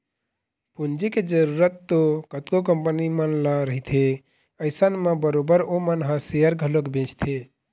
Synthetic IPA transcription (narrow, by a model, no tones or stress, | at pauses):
pund͡ʒiked͡ʒəɾuɾət̪ːokət̪kokəmpənimənlaɾəɦit̪ʰe | əɪsənmẽbəɾobəɾomənɦə̃sejəɾɡʱəlokbẽt͡ʃʰt̪ʰe